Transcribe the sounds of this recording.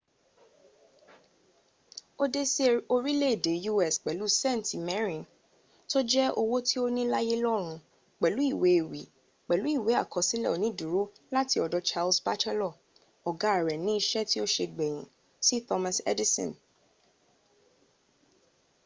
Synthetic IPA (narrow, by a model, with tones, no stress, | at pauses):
o˦de˦se˦o˧ɾi˦le˦e˨de˨˦ju˦ɛ˦˨sk͡pɛ˨lu˨˦sɛ̃˦˨n˨ti˨mɛ˦ɾĩ˨n | to˦d͡ʒɛ˦o˧wo˦ti˦o˦nĩ˦la˦je˦lɔ˦ɾ̃ũ˧ | k͡pɛ˨lu˨˦i˦˨we˨˦e˨wi˨ | k͡pɛ˨lu˨˦i˦˨we˨˦a̰˦˨kɔ˨sĩ˦lɛ̰˦˨ɔ˨nĩ˦du˨ɾo˦ | la˦ti˧˦ɔ˨dɔ˧˦t͡ʃa˧lsba˦t͡ʃɛ˦lɔ˦˨ | ɔ˨ɡa˦a˨ɾɛ˨nĩ˦i˧ʃɛ˦ti˦o˦ʃe˧ɡ͡bɛ˨j̃ĩ˨ | si˦tɔ˧mã˧sɛ̰˦di˦sɔ̰̃˨n